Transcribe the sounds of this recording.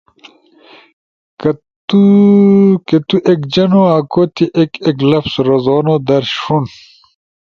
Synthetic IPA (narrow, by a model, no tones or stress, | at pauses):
kɐ | t̪u | ket̪uʔekd͡ʑɐnoːaːkoːt̪ʰiʔekeklɐpsɾɐzoːnoːd̪ɐɾɕfun